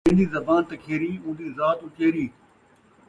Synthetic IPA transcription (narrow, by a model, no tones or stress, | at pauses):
ẽːnd̪iːzɐbaːnt̪ɐkʰeːɾĩːũːnd̪iːzaːt̪ʊt͡ʃeːɾiː